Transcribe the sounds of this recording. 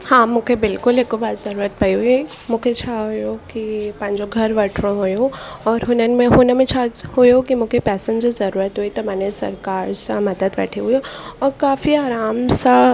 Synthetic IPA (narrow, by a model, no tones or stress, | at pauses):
hãːmʊ̃kʰebɪlkʊlekobaːd̪zɐɾuːɾət̪̚pɐjɦue | mʊkʰet͡ʃʰaɦojokipɐ̃nd͡ʒoɡʱɐɾʋɐʈʰɾõɦojoɔːɾɦoːnəmẽɦoːnəmẽt͡ʃʰahojokimʊkʰepɛːsə̃nd͡ʒozɐɾuːɾət̪ɦuit̪omɛːnesɐ̰ɾkaːɾsamɐd̪əd̪bɛ̰ːʈʰeɦuiɔːɾkaːfiaːɾaːmsa